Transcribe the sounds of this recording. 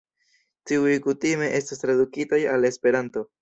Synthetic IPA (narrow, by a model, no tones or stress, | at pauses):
tiujkutime̞ʔe̞stas̬tɾadukitajale̞spe̞ɾanto̞